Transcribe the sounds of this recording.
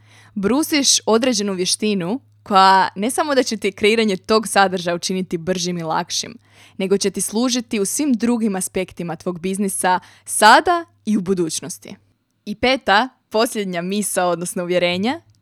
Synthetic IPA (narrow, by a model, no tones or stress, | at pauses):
bɾuːsiʃo̞d̪ɾe̞d͡ʑe̞nuʋje̞ʃt̪inu | kʰo̞jane̞samo̞d̪at͡ɕe̞t̪ikɾe̞iːɾaɲe̞t̪o̞ːɡsad̪r̩ʒajaut͡ʃinit̪ibr̩ʒimilˠa̰kʃḭm | ne̞ɡo̞t͡ɕe̞t̪islˠuːʒit̪iusʋimd̪ɾuɡimaspe̞kt̪imat̪ʋo̞ːɡ̚biznisa | sad̪a | iubud̪uːt͡ɕno̞st̪ḭ | ipe̞ːt̪a | po̞sʎʲe̞d̪ɲamisao̞d̪nosnouʋje̞ɾe̞ːɲa